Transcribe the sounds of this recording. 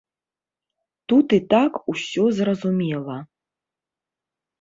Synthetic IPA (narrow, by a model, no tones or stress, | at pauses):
t̪ut̪it̪akusʲɔzrɐzumʲelˠɐ